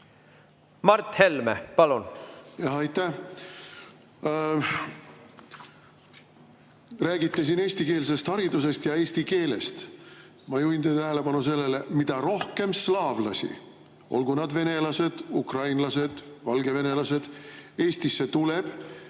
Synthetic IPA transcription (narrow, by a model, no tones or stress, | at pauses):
mɑrt̪he̞lmḛpɑlunjɑɦɑjt̪ːæh | ræːɡit̪ːes̬ine̞ːsʲt̪ike̞ːls̬e̞st̪hɑɾid̪use̞st̪jɑe̞ːsʲt̪ike̞ːle̞̰st̪ | mɑjuint̪et̪æɦele̞pɑnuse̞lːe̞lemid̪ɑɾo̞hke̞mslɑːvlɑsʲḭ | ʔo̞̰lɡ̥unɑd̪ve̞ne̞lɑse̞d̪̥ukrɑjnlɑse̞d̪̥vɑlɡe̞ve̞ne̞lɑse̞d̪̥e̞ːst̪isːe̞t̪ule̞b̥